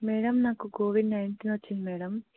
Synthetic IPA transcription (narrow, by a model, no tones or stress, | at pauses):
mɛːɽɐmnaːkukoːʋiɖnɐjɳʈinʋɐt͡ʃːind̪imɛːɽɐm